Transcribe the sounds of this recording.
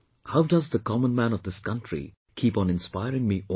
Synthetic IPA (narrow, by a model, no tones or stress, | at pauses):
haʊdʌzðəkʰɑmə̃nmæ̃nɔvðɪskʌ̃ntɹ̥ḭ | kʰipnɪ̃nspaɪɹɪ̃ŋmiʔɔ